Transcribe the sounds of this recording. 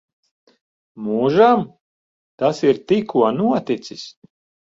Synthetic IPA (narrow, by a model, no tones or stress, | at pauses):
muːʒam | t̪asiɾt̪ikʰuɔnuɔt̪it̪sis